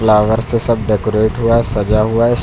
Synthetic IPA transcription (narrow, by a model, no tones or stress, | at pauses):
laːʋəɾsesɐb̚ɖɛːkoɾeːʈɦuasɐd͡ʒaɦuaɪs